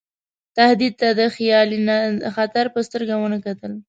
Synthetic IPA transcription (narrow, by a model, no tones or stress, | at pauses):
t̪ahd̪id̪̚t̪ad̪əxjɑlinaxat̪aɾpəst̪əɾɡawənəkat̪əl